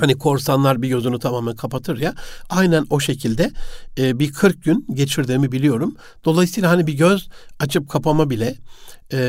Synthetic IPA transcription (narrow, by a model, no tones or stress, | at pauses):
hanikʰo̞ɾsanlˠaɾbiɟø̞zynut̪ʰamaːmænkʰapat̪ʰɯɾjaajnæno̞ʃe̞cʰilʲd̪ɛːbikʰɯɾk̚ɟynɟe̞t͡ʃʰiɾd̪iːmibilʲijo̞ɾum | d̪̥o̞lˠajɯsijlˠaɦanibiɟøzat͡ʃʰɯp̚kʰapʰamabilʲɛ